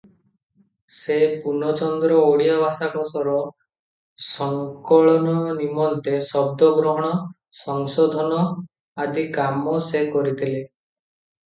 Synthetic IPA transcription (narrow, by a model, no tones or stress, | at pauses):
sepunɔt͡ʃɔnd̪ɾɔoɽijabʱasakɔsɔɾɔ | sɔŋkɔɭɔnɔnimɔnt̪esɔb̚d̪ɔɡɾɔɦɔɽ̃ɔ | sɔŋsɔd̪ʱɔnɔ | ad̪ikamɔsekɔɾit̪ʰile